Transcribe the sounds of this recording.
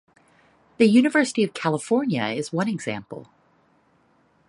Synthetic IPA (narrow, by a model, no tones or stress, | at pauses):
ðɨjʉñɨvɜ˞səɾiʌv̥kʰælˠəfɔɹnjɨ̰ɪzwʌ̃ñɨɡz̥æ̰̃mpl̩ˠ